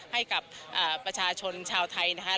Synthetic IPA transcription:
ha˥˩jka˨˩p̚ʔaː˨˩pɾa˧t͡ɕʰaː˧t͡ɕʰo˧nt͡ɕʰaː˧wt̪ʰa˧jna˦˥kʰa˦˥

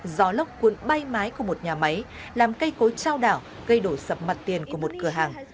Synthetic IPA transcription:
zɔ˨˦lə˦˥wk͡p̚kwə˨˦nɓa˧jmaː˨˦jku˧˩əmo˨˩t̚ɲaː˨˩ma˨˦j | laː˨˩mkə˧jko˨˦jt͡ɕaː˧wɗaː˧˩w | ɣə˧jɗo˧˩sə˨˩p̚ma˨˩t̚t̪i˨˩ənku˧˩əmo˨˩t̚kɨ˧˩əɦaː˨˩ŋ

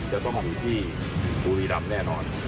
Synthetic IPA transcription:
t͡ɕaː˧˩t̪ɔ˥˩ŋ˨˩juː˧˩t̪ʰiː˥˩ | kuː˧ɾiː˧ɾa˧mnɛː˥˩nɔː˧n

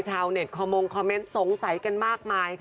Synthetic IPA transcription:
t͡ɕʰaː˧wne˨˩t̚kʰɔː˧mo˧ŋkʰɔː˧mːe˦˥nso˨˩˦ŋsa˩˦jka˧nmaː˥˩k̚maː˧jkʰ

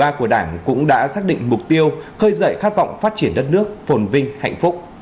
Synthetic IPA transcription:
aː˧ku˧˩əɗaː˧˩ŋkʊ̰˧˥ŋ͡mɗa̰ː˧˥saː˦˥k̚ɗḭ̈˧˨ŋ̟mʊ˨˩k͡p̚t̪i˧əwxəː˧jzə̰ː˧˨jxaː˦˥t̚vɔ̰˧˨wŋ͡mfaː˦˥t̚t͡ɕi˧˩ənɗə˦˥t̚nɨ˦˥ək̚fo˨˩nvï˧ŋ̟ha̰˧˨jŋ̟fʊ˦˥k͡p̚

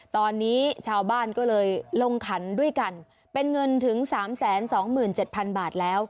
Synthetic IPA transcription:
t̪ɔː˧nːiː˦˥t͡ɕʰaː˧wbaː˥˩nkɔː˥˩lɤː˧jlo˧ŋkʰa˩˦ndu˥˩əjka˧n | pe˧nŋɤ˧nt̪ʰɯ˩˦ŋsaː˩˦msɛː˩˦nsɔː˩˦ŋmɯː˨˩nt͡ɕe˨˩t̪̚pʰa˧nbaː˨˩t̪̚lɛː˦˥w

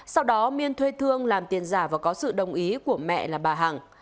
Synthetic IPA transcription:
sa˧wɗɔ˨˦mi˧ənt̪ʰwe˧t̪ʰɨ˧əŋlaː˨˩mt̪i˨˩ənzaː˧˩vaː˨˩kɔ˨˦sɨ̰˧˨ɗə˨˩wŋ͡mʔi˨˦ku˧˩əmɛ̰˧˨laː˨˩ɓaː˨˩ɦaː˨˩ŋ

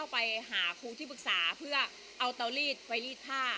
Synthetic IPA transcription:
a˥˩wpa˧jɦaː˩˦kʰuː˧t̪ʰiː˥˩pɯ˨˩k̚saː˩˦pʰɯ˥˩ɐ | ʔa˧wt̪ɤː˧liː˥˩t̪̚pa˧jliː˥˩t̪̚pʰaː˥˩

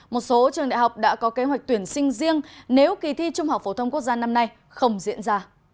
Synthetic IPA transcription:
mo˨˩t̚so˨˦t͡ɕɨ˨˩əŋɗa̰˧˨jɦa˨˩wk͡p̚ɗa̰ː˧˥kɔ˨˦ke˨˦ɦwa˨˩k̚t̪wi˧˩ənsï˧ŋ̟zi˧əŋne˨˦wki˨˩t̪ʰi˧t͡ɕʊ˧ŋ͡mha˨˩k͡p̚fo˧˩t̪ʰə˧ŋ͡mku˦˥ək̚zaː˧na˧mna˧j | xə˧wŋ͡mzḭ˧˥ənzaː˧

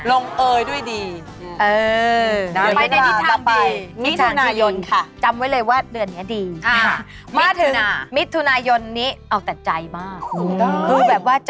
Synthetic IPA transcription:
lo˧ŋʔɤː˧jdu˥˩əjdiː˧ | ʔɤː˧ | a˧j̪i˥˩aa˧a˧jmi˦˥t̪ʰːu˧˩˧naː˧jo˧nkʰa˥˩t͡ɕa˧mwa˦˥jlɤː˧jwaː˥˩dɯ˧ənːi˦˥ɐdiː˧a˧˩ | maː˦˥˩t̪ʰɯ˩˦ŋna˧˩mi˦˥t̪ʰːu˧naː˧jo˧nːiː˦˥ʔa˧wt̪ɛ˨˩t͡ɕa˧jmaː˥˩k̚buː˧bɛː˨˩p̚waː˥˩t͡ɕ

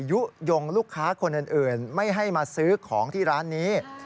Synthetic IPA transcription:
ju˦˥ʔjo˧ŋluː˥˩kʰːaː˦˥kʰo˧nʔɯː˨˧˩nʔɯː˨˩nma˥˩jɦa˥˩jmaː˧sɯː˦˥kʰɔː˩˦ŋt̪ʰiː˥˩ɾaː˦˥nːiː˦˥

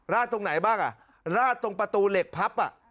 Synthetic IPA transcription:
ɾaː˥˩t̪ʰːo˧ŋna˩˦jbaː˥˩ŋʔa̰˨˩ | ɾaː˥˩t̪ːo˧ŋpɾa˧t̪uː˧le˨˩k̚pʰa˦˥p̚ʔa̰˨˩ʔ

